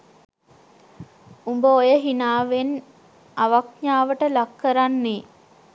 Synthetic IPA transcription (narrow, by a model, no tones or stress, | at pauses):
umbəojəɦinaːʋen | aʋakɲaːʋəʈəlakːəɾanːiː